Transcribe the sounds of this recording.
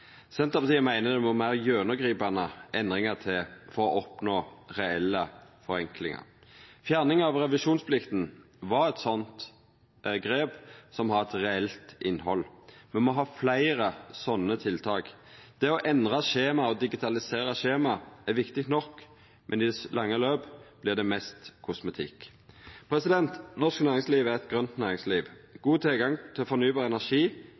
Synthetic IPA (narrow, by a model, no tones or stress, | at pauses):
sɛnt̪əpʰɑt̪ʰiːmæɪnəd̪ɛmɔmæɪʁjøːnəɡɾiːpɑnəʔɛnd̪ʁɪŋɑʁt̪ʰɪlfɔɾɔʔɔpnoːʁɛɛlːəfɔɾɛŋklɪ̰ŋɑ̰ɾfjæːʁnɪŋɑʋʁɛʋɪʂuːnspʰlɪkt̪n̩ | ʋɑɾɛt̪sɔnt̪ | ɡɾeːbsɔmɦɑʁɛt̪ʁɛɛlt̪ʔɪnɦɔ̰lmɛnmɔɦɑːflæɪɾəsɔnːət̪ʰɪlt̪ʰɑːɡ | d̪̥ɛɔʔɛnd̪ʁɑʃeːmɑɔd̪ɪɡɪt̪ʰɑlɪseːɾɑʃeːmɑæʋɪkt̪ɪk̚t̪nɔkː | mʔɛnɪd̪ɛslʔɑŋːəløːbblɪʁd̪ɛmɛst̪kʰʊsmɛt̪ʰɪ̰kː | pʰɾɛsɪd̪ɛnt̪nɔsknæːʁɪŋsliːʋæʁɛt̪̚ɡʁœnt̪næːʁɪŋsliːʋɡ̥uːt̪ʰɪlɡɑŋt̪ʰɪlɔfɔnyːbɑːʁɛnæʂiː